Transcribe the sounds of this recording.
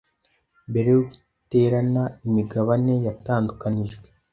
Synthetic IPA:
be̞ɾejoɡi | teːɾanaimiɡaβane̞jataːndukaniʒɡwe

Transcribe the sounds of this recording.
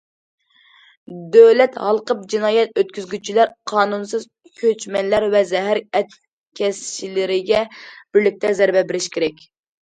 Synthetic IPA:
d̪øwlɛt̪hɑlˠqəp̚d͡ʒinɑːjɛt̪̚øt̪̚kʲyzɡʲyt͡ʃʰilæɾqʰɑːnunsɨz | kʲʰøt͡ʃmɛnlæɾvɛzɛɦæɾɛt̪̚ | kʲʰɛsʃilɪɾɪɡʲɛb̥ɪɾlɪk̚ʲt̪ʰɛzɛɾbɛbɪɾɪʃkʲʰeɾɛkʲ

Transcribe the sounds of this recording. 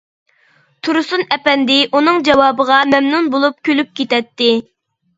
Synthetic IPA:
t̪ʰuɾusunɛpɛnd̪ɪʔunɨŋd͡ʒɑwɑːbəʁɑmɛmnunbolˠup̚kʲʰølyp̚kʲet̪ɛt̪ːɪ

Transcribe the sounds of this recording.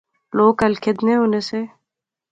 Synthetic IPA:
loːkɐlkʰɪd̪neʊnese

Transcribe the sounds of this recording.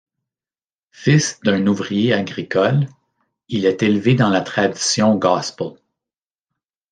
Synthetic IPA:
fɪsd̪ɛ̃nuvʁijeaɡʁikʰɔl | ilɛt̪elved̪ɑ̃lat̪χad̪i̥sjɔ̃ɡɑsp

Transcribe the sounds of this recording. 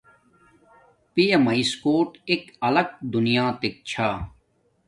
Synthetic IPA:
pijɐmɐiskoːʈekɐlɐk̚d̪unijaːt̪ek̚t͡ɕʰaː

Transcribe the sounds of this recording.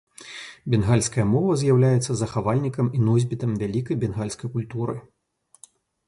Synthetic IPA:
bʲɛnɣalʲskɐjɐmɔvɐzʲjawlʲajɛt̪sːɐzɐxavalʲnʲikɐminɔzʲbʲit̪ɐmvʲalʲikɐjbʲɛnɣalʲskɐjkulʲt̪uɾɨ̰

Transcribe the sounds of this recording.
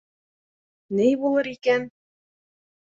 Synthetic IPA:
nɘjbulˠɤɾikæn

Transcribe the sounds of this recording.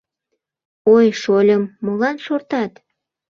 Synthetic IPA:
ojʃolʲəmːolɑnʃort̪ɑt̪

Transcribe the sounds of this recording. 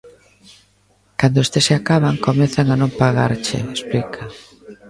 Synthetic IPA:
kand̪oest̪eseakaβaŋkomeθaŋanõmpaɣa̰ɾt͡ʃɪ̰esplikʰɐ

